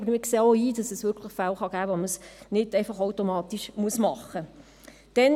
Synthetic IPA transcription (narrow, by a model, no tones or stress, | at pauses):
bəɾmɪkseːoiːd̥ɑsɛsʋʏɾkʰləχfælχɑɡæːʋoməsnɪd̥ɛɪfɑχowtomɑːt̪iʃmuəsmɑχːə | d̥ɛn